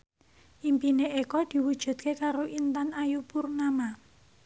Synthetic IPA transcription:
ʔimpineʔekɔd̪̥i̤wud̥ʒ̥ṳd̪̚kekaɾoʔint̪anajupurnama

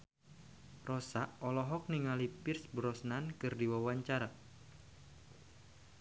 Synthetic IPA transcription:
rɔsaʔɔlɔɦɔk̚niŋalipɪrsbəɾɔsnankɨrdiwawaɲt͡ʃaɾa

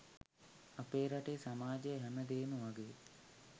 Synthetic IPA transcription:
apeːɾaʈeːsamaːd͡ʒejɦɛməd̪eːnuʋaɡeː

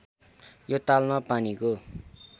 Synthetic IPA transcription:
jot̪almapaniko

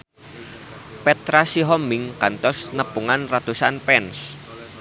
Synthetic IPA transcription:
pɛt̪ɾasiɦɔmɪŋkant̪ɔsnəpuŋanrat̪usanpɛns

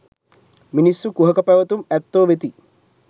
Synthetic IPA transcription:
minisːukuɦɐkɐpɛʋɐt̪umɛt̪ːoːʋet̪i

